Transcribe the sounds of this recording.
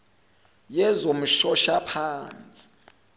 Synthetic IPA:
jɛzom̩ʃɔʃapʰaːnt͡sʼi̥

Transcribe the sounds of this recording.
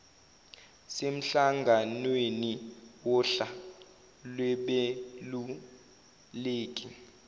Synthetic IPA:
sem̩ɬaŋɡʱanweniwɔɬa | lwɛɓelu | leːkʼi

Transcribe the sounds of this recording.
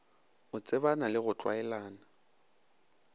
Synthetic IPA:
ʊt͡sʼɪbanalɪɣʊt͡ɬʼwa̰ɛlaːna

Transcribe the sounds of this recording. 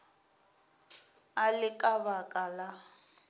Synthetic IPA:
alɪkʼabakʼala

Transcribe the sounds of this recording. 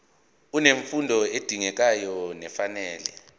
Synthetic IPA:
uneɱfundʱɔed̥ʱiŋɛk̬ajɔnɛfanɛːlɛ

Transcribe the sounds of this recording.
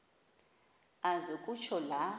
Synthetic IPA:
azɛkʼut͡ʃʰɔla

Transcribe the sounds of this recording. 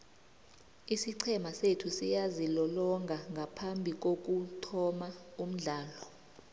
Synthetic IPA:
isiǀʰɛmasetʰusijazilɔlɔŋɡʱaŋɡʱapʰambʱik̬ok̬ʼutʰɔmaum̩ɮaːlɔ

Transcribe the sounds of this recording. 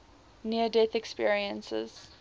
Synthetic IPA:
niədɛθɛkspiəɹiə̃nsə̰z̥

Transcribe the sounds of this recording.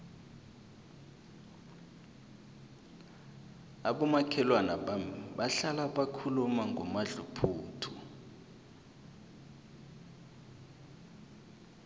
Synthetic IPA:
aɓɔmakʰɛlwanaɓaɬalaɓakʰulumaŋɡʱɔmaɮupʰuːtʰu

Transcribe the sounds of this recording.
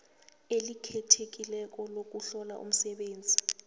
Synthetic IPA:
elikʰɛtʰek̬ʼilɛk̬ɔlok̬uɬɔla̰ʔṵm̩sɛɓeːnd͡zʱi

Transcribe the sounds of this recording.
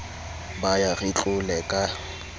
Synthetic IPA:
bajarɪt͡ɬʼʊlɛkʼa

